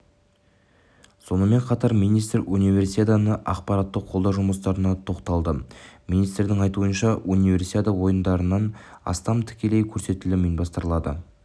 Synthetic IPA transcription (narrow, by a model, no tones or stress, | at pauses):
so̞nəme̞ɴqʰɑt̪ɑɾmijnijst̪runijve̞rsiet̪anəʔɑ̰qpɑɾɑt̪ːəqʰːo̞lˠd̪ɑwʒʊməst̪ɑɾənɑt̪ʰo̞qt̪ɑlˠd̪əminijst̪ɾd̪ɪŋɑjt̪uənʃɑunivʲe̞rsit̪ʲet̪awo̞jənd̪ɑɾənɑnɑ̰st̪ɑmt̪ʰɪ̥kʲe̞le̞jkʲʰɵɾse̞t̪ɪlɪmenbɑst̪əɾəlˠɑd̪ə̰